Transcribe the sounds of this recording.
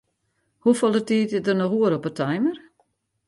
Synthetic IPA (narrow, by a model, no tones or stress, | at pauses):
hufolˠətiːtɪdərnɔxuəɾɔpətʰajmər